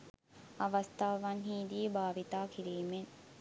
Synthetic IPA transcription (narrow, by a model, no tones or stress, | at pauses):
ɐʋɐst̪ʰaːʋanɦiːd̪ibaːʋit̪aːkiɾiːmen